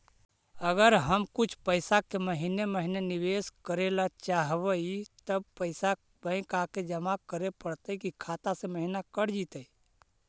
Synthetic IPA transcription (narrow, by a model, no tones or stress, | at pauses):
əɡəɾɦəmkut͡ʃʰpəɪsakeməɦineməɦineniʋeskəɾelat͡ʃaɦbəit̪əb̚pəɪsa | bə̃ɪ̃kaked͡ʒəmakəɾepəɽt̪əikikʰat̪asẽməɦinakəɾd͡ʒit̪əi